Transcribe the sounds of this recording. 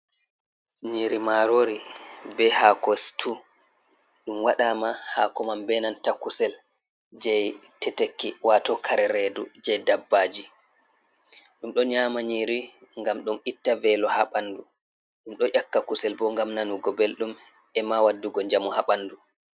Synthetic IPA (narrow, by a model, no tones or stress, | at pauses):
ɲiɾimaɾoɾibɛhakɔstʰu | ɗumwaɗamahakɔmambɛnantakusɛl | d͡ʒɛjtɛtekːiwatɔkʰaɾɛɾedud͡ʒɛjdabːaːd͡ʒi | ɗumɗɔɲamaɲiːɾiŋɡamɗɔnitːavɛlɔhaɓandu | ɗumɗɔʔakːakusɛlbɔŋɡamnanuɡɔbelɗum | ɛmawadːuɡɔɲd͡ʒamɔhaɓandu